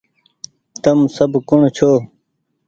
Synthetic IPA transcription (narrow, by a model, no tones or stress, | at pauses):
t̪ɐmsɐbkuɳt͡ɕʰoː